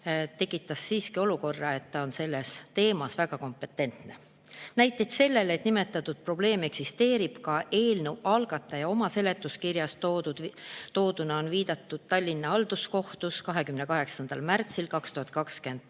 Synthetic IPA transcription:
t̪e̞kːˑit̪ːˑɑsːiːskio̞luko̞rːɑe̞t̪ːɑo̞nse̞lːe̞st̪e̞ːmɑsvæɡɑko̞mpːˑe̞t̪ːˑe̞nt̪ne̞ | næjt̪ˑːet̪se̞lːe̞le̞t̪nime̞t̪ːˑɑt̪ːˑud̪̥̚pro̞b̥le̞ːme̞ksist̪e̞ːɾib̥kɑʔe̞ːlnewɑlɡ̥ɑt̪ːˑɑjɑo̞mɑse̞le̞t̪ːˑuskirjɑst̪od̪ud̪t̪o̞ːd̪̥unɑo̞nviːd̪̥ɑt̪ːˑud̪̥̚t̪ɑlʲːinːɑɑld̪usko̞ht̪uskɑɦe̞kymne̞kɑɦe̞ksɑnd̪̥ɑ̰lmært̪silkɑkst̪uhɑt̪̚ˑkɑkskend̪̥

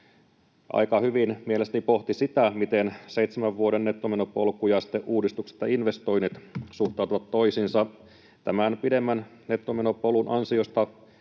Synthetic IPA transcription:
ʔɑ̰jkɑhyʋinmielest̪ænipo̞ht̪isit̪æmit̪ense̞it̪semæʋʋuoɾenːet̪ːomeno̞polkujɑsi̥t̪ːˑeʔuːdist̪ukse̥t̪jɑinʋe̞st̪o̞jnːit̪suht̪ˑɑˑut̪uʋɑt̪to̞isinsɑ | t̪æmænpide̞mːæn | ne̞t̪ːomeno̞polunʔɑnsio̞st̪ɑ

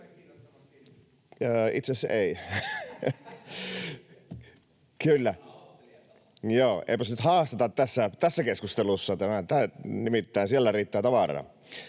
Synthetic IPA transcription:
əːḭt̪seseˑi | kylːæ | joːʔḛˑipæsnyt̪hɑːst̪ɑt̪ɑt̪t̪æsːæt̪æsːækeskust̪elusːɑt̪æmæt̪ænimit̪ːæːnsieælːæriːt̪ːæːt̪ɑʋɑrɑ̰ː

